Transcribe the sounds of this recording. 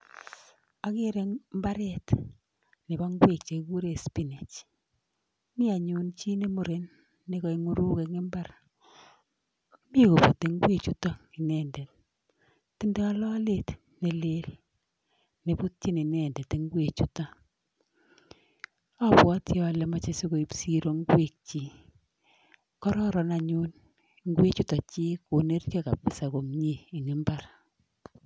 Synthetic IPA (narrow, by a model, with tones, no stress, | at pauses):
a˦ke˦ɾe˨ŋmba˦ɾɛt | ne˨ba˦ŋɡwe˨kt͡ʃe˨ku˦ɾe˨spi˦ne˨t͡ʃ | mi˦a˨ɲu˨nt͡ʃi˦ne˦mo˨ɾe˨nː | e˨ka˨iŋu˦ɾu˦ke˨ŋɪ˦mba˦r | mi˦ko˨po˨te˨ŋɡwe˨t͡ʃu˦ta˦ki˨nɛːndɛ˨t̚ | tːi˦ndɛ˦a˦lɔ˦let | ne˨le˦l | ne˨pu˦t̚t͡ʃi˦ni˨nɛ˨ndɛ˨te˦ŋɡwe˨t͡ʃu˦ta˦ | a˦pwa˦tjɔ˦˨lɛ˨ma˦t͡ʃe˦si˦ko˨i˦psi˦ɾo˦ŋɡwe˨k̚t͡ʃi˨ | kɔ˦ɾɔ˦ɾɔ˨na˨ɲu˦n | ŋɡwe˦t͡ʃu˦ta˨t͡ʃi˦ko˨ne˦rta˦ka̰˨pɪ˨sa˨ko˨mɲiː˨ŋɪ˦mba˦r